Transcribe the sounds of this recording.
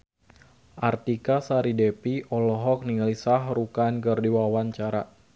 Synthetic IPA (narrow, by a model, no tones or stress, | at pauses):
ʔart̪ikasaɾidepiʔɔlɔɦɔk̚niŋlisaɦrukankərdiwawaɲt͡ʃaɾa̰